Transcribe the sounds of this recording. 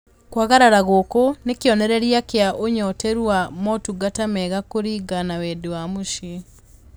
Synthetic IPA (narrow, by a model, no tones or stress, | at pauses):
kwaɣaɾaɾaɣokonekjɔnɛɾɛɾjakeaʔoɲɔteɾwamɔtuɡatamɛɣakoɾiɡanawedewamuʃi